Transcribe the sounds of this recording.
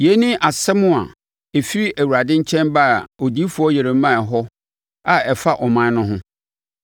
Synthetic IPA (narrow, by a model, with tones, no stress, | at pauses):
je˨˦nɪ̃˦ʔa˨sɛ˦mʊ̃˦a̰˨ | e˨fi˦ɾi˦ʔæ˨wu˨ɾa˨dɪ̃˦ɲ̩˦t͡ɕʰɛ̃˦nba˦˨o˨di˦fu˨˦ɔ˦je˨ɾe˨˦mã˦˨ɦɔ˦ | a˨ɛ˨fa˦ʔɔ˨mã˦nʊ̃˦ɦʊ̃˦